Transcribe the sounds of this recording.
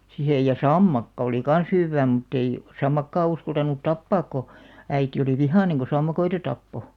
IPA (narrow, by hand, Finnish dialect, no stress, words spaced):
sihej jɑ sɑmːɑkːɑ oli kɑn̞s hywːæː mutː ei sɑmːɑkːɑː uskɑltɑnut tɑpːɑːk ko æiti oli ʋihɑˑneŋ ko sɑmːɑkoitɑ tɑpːo